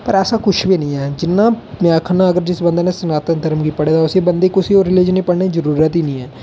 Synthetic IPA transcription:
pəɾɛːsaːkʊʃbiːnəĩːɛːd͡ʒɪnːãːmãːkʰənãːəɡəɾd͡ʒɪsbə̃nd̪aːnẽːsənaːt̪ənt̪əɾmɡipəɽeːd̪aʊseːbənd̪eːkʊsioːɾːɪlɪd͡ʒənĩːpəɽnẽːzəɾuːɾət̪ɦiːnəĩːɛː

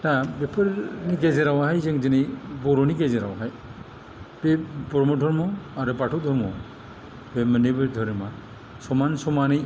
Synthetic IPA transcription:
tabepʰɯɾniɡezeɾawahajzɯŋd͡ʒɯnɯjbɔɾɔniɡezeɾawɦaj | b̥ebɔɾmɔdʱɔɾmɔaɾɯbatʰɔd̪ʱɔɾmɔ̰ | bemɯnebɯɾd̪ʱɔɾema | sɔmansɔmanɯj

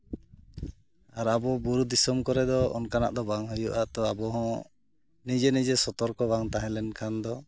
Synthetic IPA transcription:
aɾabɔbuɾud̪isɔmkɔɾɛd̪ɔɔ̰nkana̰ʔd̪ɔbaŋɦɔjuʔaʔt̪ɔabɔɦɔ̃ | nid͡ʒɛnid͡ʒɛsɔt̪ɔɾkɔbaŋt̪aɦɛ̃lɛnkʰand̪ɔ

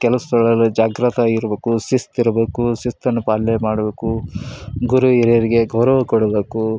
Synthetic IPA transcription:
kɛlɐst̪ɔɭɐlːud͡ʒaːɡɾɐt̪ʰaiɾɐbeːkusist̪iɾɐbe̞ːkusist̪ɐnːupaːlːemaːɽɐbeːku | ɡuɾuiɾɐjɐɾiɡe̞ɡɐwɾɐʋɐkɔɽɐbe̞ːku

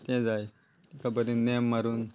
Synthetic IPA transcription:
t̪ɛ̃d͡zaj | ikabəd̪ĩnɛmːaɾuːn

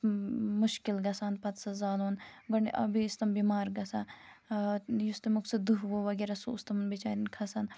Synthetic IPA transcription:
muʃkilɡɐsaːnpɐt̪sɐzaːloːnɡɐɳiʔɐbist̪ɐmbiːmaːɾɡɐsaː | just̪ɐmuksɐd̪uɦʋoːʋɐɡeɾɐsuːst̪ɐmɐnbit͡ʃa̰ːɾinkʰɐsaːn

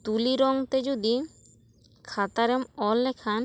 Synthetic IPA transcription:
t̪uliɾɔŋt̪ed͡ʒud̪i | kʰat̪aɾemɔlːɛkʰan

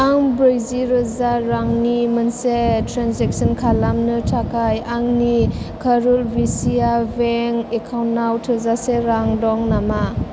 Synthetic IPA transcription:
aŋbɾejziɾɯzaɾaŋnimənsetɾanzek̚sənkʰalamnɯtʰakʰajaŋnikʰaɾulbisijabeŋekʰawnnːawtʰɯzaseɾaŋdɔŋnama

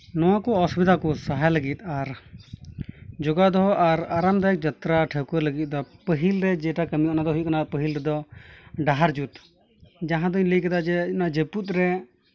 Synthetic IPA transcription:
nɔwakɔɔsubid̪akɔsaɦajləɡit̪̚aɾ | d͡ʒɔɡad̪ɔɦɔʔaɾaɾamd̪ajɛk̚d͡ʒat̪ɾaʈʰɛkɔləɡit̪̚ˀd̪ɔpəɦilɾɛd͡ʒɛʈakəmijɔʔnad̪ɔɦujuʔkanapəɦilɾɛd̪ɔɖaɦaɾd͡ʒut̪ | d͡ʒaɦãd̪ɔiɲləjkad̪ad͡ʒɛnad͡ʒeput̪̚ɾɛ

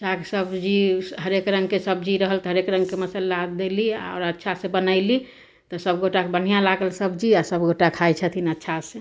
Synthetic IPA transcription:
d͡ʒaksəbd͡ʒiɦəɾekɾə̃ŋɡkesəbd͡ʒiɾəɦəlt̪ɔɦəɾekɾə̃ŋɡkeməsəlːad̪elia̰ɔʊɾətːʃʰasẽbənəɪli | t̪ɔsəbɡoʈakebən̤ijãlaɡəlsəbd͡ʒiasəbɡoʈakʰajt͡ʃʰət̪ʰinətːʃʰasẽ

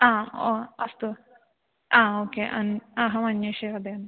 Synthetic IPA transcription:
aːoːɐst̪u | aːoːkeːʔɐ̰nɐɦɐmɐnjɐʃiɾɐd̪en

